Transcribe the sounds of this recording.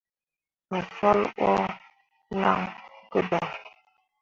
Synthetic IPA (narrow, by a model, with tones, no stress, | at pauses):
mə˨fɔ˦lʔɔ˦ | la̰˦ŋkə˦dɔ˨